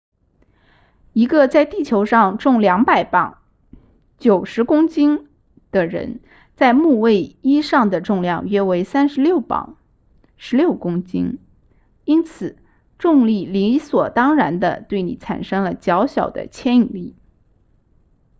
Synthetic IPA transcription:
i˧˥ɡə˧t͡sa˥˧ɪt̪i˥˩t͡ɕʰjo˧˥ʊʂɑ˥˧ŋʈ͡ʂʊ˥˩ŋljɑ˧˥ŋpa˨˩ɪpɑ˨˩˦ŋ | t͡ɕjo˨˩ʊʂɻ̩˧˥kʊ˥ŋt͡ɕi˥ŋ | d̪̥ə˨ɻə̰˧˥n | t͡sa˥˧ɪmu˥˧we˥˩ɪi˥ʂɑ˥˩ŋd̪ə˩ʈ͡ʂʊ˥˧ŋljɑ˥˧ŋɥɛ˥we˧˥ɪsa˥nʂɻ̩˧˥ljo˥˩ʊpɑ̰˨˩˦ŋ | ʂɻ̩˧˥ljo˥˩ʊkʊ˥ŋt͡ɕḭ˥ŋ | i˥nt͡sʰɹ̩˨˩˦ | ʈ͡ʂʊ˥˧ŋli˥˩li˧˥swɔ˨˩t̪ɑ˥ŋɻa˧˥nd̪ə̰˧t̪we˥˩ɪnḭ˨˩t͡sʰa̰˨˩nʂɤ˥ŋlə˨t͡ɕjɑ˧˥ʊɕjɑ˨˩ʊd̪ə̰˦t͡ɕʰjɛ˥ni˨˩li˥˩

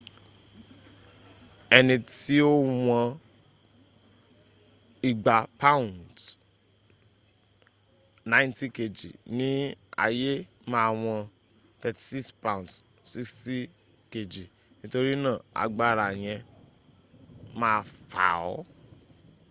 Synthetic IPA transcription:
ɛ˧nĩ˧ti˦o˦w̃ɔ̃˧ | i˨ɡ͡ba˨pa˦ũ˨nt | nã˦ĩ˦ntĩ˦ke˧˨d͡ʒḭ˨nĩ˦a̰˧je˦ | mã˦˧w̃ɔ̃˧ | t̪ɛ˧ti̥˨si˦kspã˦˨t | si˦ksti˦ | ke˨d͡ʒi˨ | nĩ˦to˧ɾi˦nãː˦˨a̰˧ɡ͡ba˦˨ɾa˨j̃ɛ̃˧ | mãː˦˧fa̰˨ɔ̰˨˦

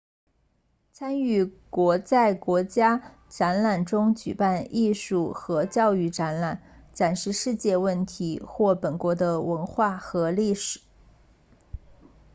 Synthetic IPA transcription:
t͡sʰa˥ny˥˩kwɔ˧˥t͡sa˥˩ɪkwɔ˧˥t͡ɕja˥ | ʈ͡ʂa˧˥nla˨˩nʈ͡ʂʊ˥ŋt͡ɕy̰˨˩pa˥˧nʔi˥˧ʂu˥˩xɤ˧˥t͡ɕjɑ˥˧ʊy˥˩ʈ͡ʂa˧˥nla˨˩˦nʈ͡ʂa˨˩nʂɻ̩˥˧ʂɻ̩˥˧t͡ɕjɛ˥˧wə˥˩nt̪ʰi˧˥xwɔ˥˩pə˨˩nkwɔ˧˥d̪ə˧wə˧˥nxwa˥˩xɤ˧˥li˥˩ʂɻ̩˨˩˦

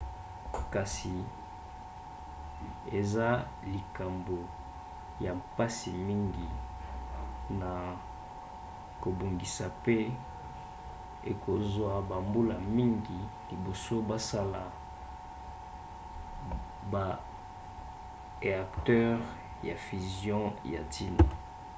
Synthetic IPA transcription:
ka˨si˨ | e˨za˦ | li˨ka˨mbo˨ | ja˨mpa˦si˨mi˦ŋɡi˨ | na˨ | ko˨bo˨ŋɡi˨sa˨pe˦ | ḛ˨kʰo˨zwa˨ba˨mbu˦la̰˨mi˦ŋɡi˨li˨bo˨so˦ba˦sa˦la˨ | ba˨ | ʁe˨a˨ktɛ˦ʁ | ja̰˨fi˨zjɔ̃˦ja̰˨tʰi˦na̰˨

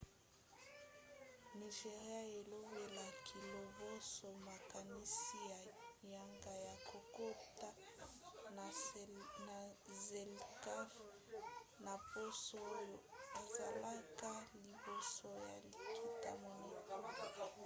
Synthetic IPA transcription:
ni˨ʒe˨ʁi˦a˦e˨lo˦be˨la˨kʰi˨lo˨vo˦so˨ma˨ka˨ni˦si˦a˨ja˨ŋɡa˨ja˨kʰo˨ko˦ta˦ | na˨ze˨lka˦f | na˨po˦so˦˨a˨za˨la˦ka˦li˨bo˨so˨ja̰˨lkʰi˨ta˦mo˨ne˨ku˦la˨

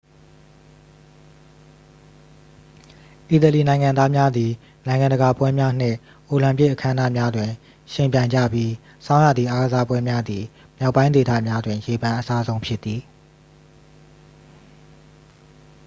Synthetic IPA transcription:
ʔi˨t̪ə˨li˨nã˨ɪ̃ŋã˨nd̪a˦mja˦d̪i˨ | nã˨ɪ̃ŋã˨ndə˨ɡa˨pwɛ˦mja˦n̥ɪ̰̃˦˨ | ʔo˨lã˨mpɪ˦ʔəkʰã˦ə̃˦na̰˦˨mja˦dwɪ̃˨ | ʃɪ̃˨mpjã˨ɪ̃ɲd͡ʑa̰˦˨bji˦ | sã˦ʊja̰˦˨d̪ði˨ʔa˨ɡə˨za˦pwɛ˦mja˦d̪i˨ | mja˦ʊpːã˦ɪ̃nde˨t̪a̰˦˨mja˦dwɪ̃˨je˨bã˨ʔəsa˦zõ˦ʊ̃mpʰjɪ˦t̪ːi˨

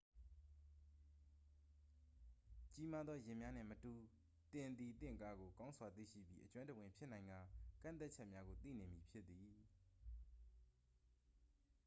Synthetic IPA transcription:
t͡ɕi˦ma˦d̪ðɔ˦jɪ̃˨mja˦n̥ɪ̰̃˦˨mətu˨ | t̪ɪ̃˨nd̪i˨t̪ɪ̰̃˦˨ŋka˦ɡo˨kã˦ʊ̃nsʰwa˨t̪ḭ˦˨ʃḭ˦˨bjḭ˦ʔət͡ɕwã˦ntə˨wɪ̃˨mpʰjɪ˦ʔnã˨ɪ̃ŋɡa˨kã̰˦˨t̪a˦t̚t͡ɕʰɛ˦ʔmja˦ɡo˨t̪ḭ˦˨ne˨mji˨pʰjɪ˦t̪ːi˨

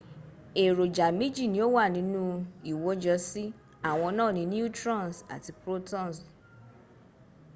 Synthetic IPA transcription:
e˨ɾo˨d͡ʒa˨mĩ˦d͡ʒi˦˨nĩ˧˦o˦wa˦˨nĩ˨˦nũ˦i˨wo˨˦d͡ʒɔ˧˦si˦ | a˨w̃ɔ̃˧nãː˦˨nĩ˨˧˦nĩ˦u˦tɾã˦˨n˨sa̰˨ti˧pɾo˦tɔ̃˦˨n˨s

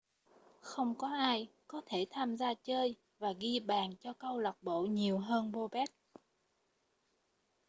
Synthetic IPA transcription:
xə˧wŋ͡mkɔ˨˦ʔaː˧jkɔ˨˦t̪ʰe˧˩t̪ʰaː˧mzaː˧t͡ɕəː˧j | vaː˨˩ɣi˧ɓaː˨˩nt͡ɕɔ˧kə˧wlə˨˩k͡p̚ɓo̰˧˨ɲi˨˩əwɦəː˧nɓo˧ɓɛ˦˥t̚

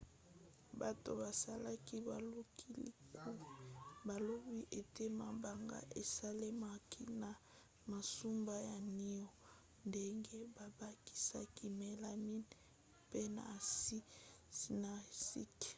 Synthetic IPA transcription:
ba˨to̰˨ba˨sa˦la˦ki˦ba˨lo˦kʰi˦lḭ˦ku˦˨ba˨lo˦bi˦ʔe˨te˦ma˨ba˨ŋɡa̰˦ʔe˨sa˦le˦ma˦ki˦na˨ | ma˨su˦mba˦ja˨ni˦ɔ˨ | nde˦ŋɡe˦ba˨ba˦ki̥˦sa̰˦ki˦me˨la˨mi˦n | pe˦na̰˨si˦˨ | na˨si˦k

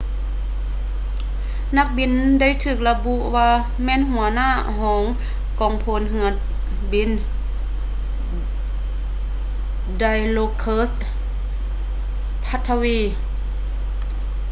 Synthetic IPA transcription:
na˧˥k̚bi˧˥nda˥˨jt̪ʰɯː˨˩k̚la˧bu˧ʔwaː˧ | mɛː˧˥˨nɦu˨˩˦ɐnaː˥˩˨hɔː˩˨˦ŋ | kɔː˨˦ŋpʰoː˧˨nɦɯ˧˩˦ɐ | bi˧˥n | da˧jloː˧kʰːɤː˧˥s | pʰa˧˥t̪ʰːa˧wiː˧˩

